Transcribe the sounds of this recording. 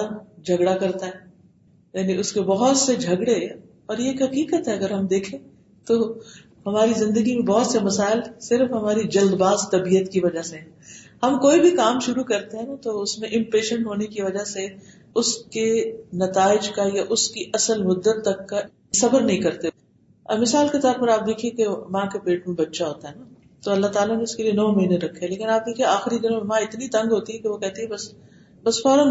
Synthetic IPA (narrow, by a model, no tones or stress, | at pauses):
d͡ʒʱɐɡɽakɐɾt̪aɦɛː | jaːniʊskebɐɦʊt̪sed͡ʒʱɐɡɽe | ɔːɾjeːkɦɐkiːkət̪ɦɛɐɡəɾɦɐmd̪eːkʰẽː | t̪o | hɐmaːɾizɪ̃nd̪əɡimẽbɐɦʊt̪semɐsaːɪlsɪɾfɦɐmaːɾid͡ʒɐld̪baːzt̪ɐbiːjət̪kiʋɐd͡ʒaseɦɛ̃hɐmkoːibʱikaːmʃʊɾukɐɾt̪eɦɛ̃nat̪oʊsmẽʔɪ̃mpeːʃə̃ɳʈɦoːnekiʋɐd͡ʒase | ʊskenɐt̪aːɪd͡ʒkajaʔʊskiʔɐsəlmʊd̪ːət̪ːɐkːa | sɐbəɾnɐɦĩkɐɾt̪e | mɪsaːlket̪ɔːɾpɐɾaːp̚d̪eːkʰiẽkemãːkepeːʈmẽbɐtːʃaɦoːt̪aɦɛnaː | t̪oɐlːaɦt̪aːlaneʊskelienɔːmɐɦiːneɾɐkʰːeleːkɪnaːp̚d̪eːkʰieaːxɪɾid̪ɪnõmẽmãɪt̪nit̪ɐ̃ŋɡɦoːt̪iɦɛkeʋokɛɦt̪eɦɛ̃bɐs | bɐsfɔːɾəm